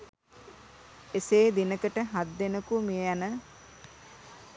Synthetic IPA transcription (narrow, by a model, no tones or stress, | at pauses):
eseːd̪inəkəʈəɦad̪ːenəkumianə